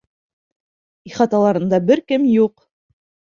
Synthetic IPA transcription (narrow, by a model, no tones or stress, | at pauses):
iχɑt̪ɑlˠɑɾɤ̆nd̪ɑbɘɾkɘmjuq